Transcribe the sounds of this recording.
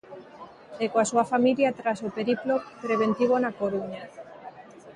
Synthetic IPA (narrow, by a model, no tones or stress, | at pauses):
ekoasuafamiljat̪ɾasopeɾiplopɾeβent̪iβ̞onakoɾuɲa